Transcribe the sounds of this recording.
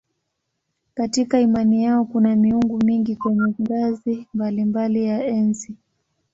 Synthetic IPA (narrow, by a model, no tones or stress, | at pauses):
katikaimanijaɔkunamiuŋɡumiŋɡikwɛɲɛŋɡazimbalimbalijaɛnsi